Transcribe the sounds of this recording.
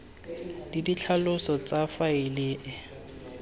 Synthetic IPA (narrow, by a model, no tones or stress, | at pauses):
didit͡ɬʰalʊsɔt͡safaɪlɪʔɪ